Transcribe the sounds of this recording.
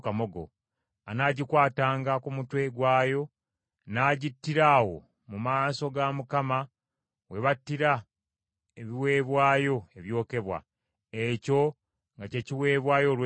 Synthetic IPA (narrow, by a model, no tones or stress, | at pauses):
kamoɡo̰ | anaːɟikwaːtaːŋɡakumutwe̞ɡwaːjo̞ | naːɟitːiɾaːwo̞̰ | mumaːso̞ɡamukama | we̞βatːiɾa | eβiwe̞ːβwaːjo̞e̞βjo̞ːke̞βwa̰ | eco̞ | ŋɡace̞ciwe̞ːβwaːjo̞lw